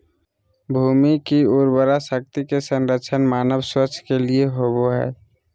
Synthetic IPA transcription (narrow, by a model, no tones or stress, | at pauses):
bʱuːmikiʊɾbəɾasək̚t̪ikesə̃nɾət͡ʃʰənmaːnəbswət͡ʃʰkelieɦoboɦɛ̰ː